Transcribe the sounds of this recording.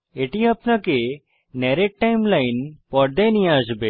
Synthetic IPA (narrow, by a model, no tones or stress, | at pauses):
eʈiapnake | nɛɾeʈ̚ʈːajmlajnpɔɾd̪eniad͡ʒbe